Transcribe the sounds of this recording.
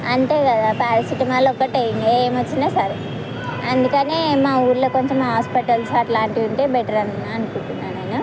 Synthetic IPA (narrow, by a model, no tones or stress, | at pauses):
ɐnʈ̪e̞ːkɐd̪aːpaːɾɐsiʈɐmaːlɔkːɐʈɐjinieːmɐt͡ʃːinɐːsɐɾ | ɐnd̪ukɐneːmaːuːɾlo̞ːkoɲt͡ʃɐmɦaːspiʈɐlsɐʈlaːɳʈiuɳʈeːbɛʈɐɾɐnɐnukuɳʈ̪unːaːnɐjnɐ